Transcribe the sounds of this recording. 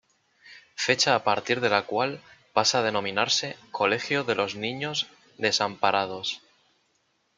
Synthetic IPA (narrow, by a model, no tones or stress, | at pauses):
fe̞t͡ʃaːpaɾt̪iɾð̞e̞lakwalpasað̞e̞nõ̞mĩnaɾse̞ko̞le̞xjoðe̞lo̞znĩɲo̞z | d̪e̞sampaɾað̞o̞s